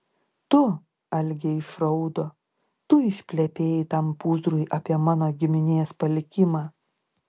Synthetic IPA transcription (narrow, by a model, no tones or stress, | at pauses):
t̪ʊ | ɐlʲɡʲeɪʃɾɐʊd̪oː | t̪ʊɪʃʲpʲlʲɛpʲeːjɪt̪ɐmpuːzd̪ɾʊɪʔɐpʲiɛmɑːnoːɡʲɪmʲɪnʲeːspɐlʲɪkʲɪmɑː